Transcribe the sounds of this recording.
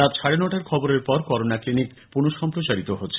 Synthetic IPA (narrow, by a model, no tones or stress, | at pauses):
t̪at̪ʃʰaɽenɔʈaɾkʰɔboɾeɾpɔɾkɔɾonaklinik | punoʃɔmpɾot͡ɕaɾit̪oɦotːɕʰe